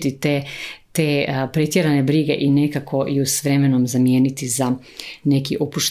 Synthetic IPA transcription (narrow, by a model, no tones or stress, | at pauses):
t̪it̪et̪eːpɾe̞t̪jeɾane̞bɾiɡe̞ʔine̞kakʰo̞jusʋɾe̞me̞nomzamjeːnit̪iza | ne̞kiʔopuʃt̪